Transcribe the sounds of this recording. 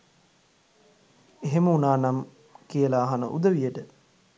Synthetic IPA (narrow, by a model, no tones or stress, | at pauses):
eɦeməunaːnam | kijəlaːɦanə̰ʔṵd̪əʋijəʈə